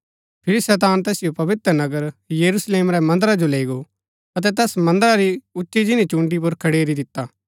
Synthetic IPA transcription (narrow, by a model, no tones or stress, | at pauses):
pʰɪɾisɛːt̪aːnt̪ɛːsɪjopɐʋɪt̪ɾənɐɡəɾjɐɾusleːmɾɛmɐ̃nd̪əɾad͡ʒoleːiɡo | ɐt̪̬ɛt̪ɛːsmɐ̃nd̪əɾaɾiʊtːʃid͡ʒɪnĩt͡ʃũːɳɖip̬ʊɾkʰɐɽeːɾid̪ɪt̪ːaː